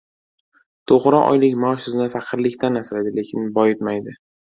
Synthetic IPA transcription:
t̪ʰoʁɾɒʔɒ̰jlɪkʲmaʃʊzɪnɪfaqʰɨɾlɪkʲt̪ʰanːasɪlad̪ɪle̞kʲʰɪnbɒjɪt̪majd̪ɪ

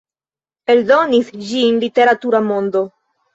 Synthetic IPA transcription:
eld̪onisd͡ʒinlit̪eɾat̪uɾamond̪o

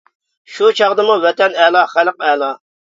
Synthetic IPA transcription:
ʃut͡ʃʰɑʁd̪ɨmuwɛt̪ɛnɛlˠɑχælq̚ɛlˠɑ

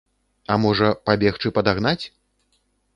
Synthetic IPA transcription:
ɐmɔʐɐpabʲɛxt͡ʂɨpɐd̪aɣn̪at͡sʲ

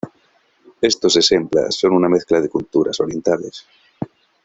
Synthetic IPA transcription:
e̞st̪o̞sesempla̰sːo̞nunameθklað̞ekult̪uɾa̰so̞ɾje̞nt̪ales

